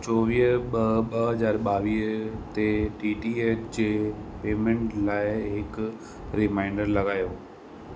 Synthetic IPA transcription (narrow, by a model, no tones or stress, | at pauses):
t͡ɕɔːʋiːɦɓɐɓɐɦɐzaːɾɓaːʋiːɦt̪eʈiːʈiːeːtd͡ʑeːpeːmẽɳʈlaːɪɦɪk | ɾɪmaːɪɳɖəɾlɐɡaːjoː